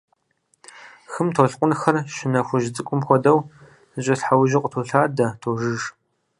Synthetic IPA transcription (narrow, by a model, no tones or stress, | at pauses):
xɨmtʰoɬqʷʼʊnxɐrʃɪnɐxʷʊʒɪd͡zʼɨkʷʼʊmxʷɔdɐw | ɕʼɐɬħawʒɪqʷʼtʰoːɬaːdɐtʰoːʒɨʒ